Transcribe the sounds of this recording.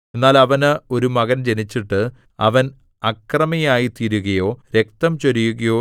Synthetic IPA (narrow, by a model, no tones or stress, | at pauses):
enːaːlɐʋɐnɨo̞ɾumɐɣɐnd͡ʑe̞nit͡ɕːiʈːɨ | ɐʋɐn | ɐkrɐmɐjaːjit̪iɾuɣɐjo̞ːɾe̞k̚t̪ɐmt͡ɕoɾijuɣɐjo̞ː